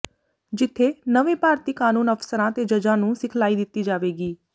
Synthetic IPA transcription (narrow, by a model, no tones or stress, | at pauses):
d͡ʒɪt̪ʰːeːnəʋẽːpaːɾt̪iːkaːnuːnəpʰsəɾãːt̪eːd͡ʒəd͡ʒãːnũːsɪkʰlaːiːd̪ɪt̪ːiːd͡ʒaːʋeːɡiː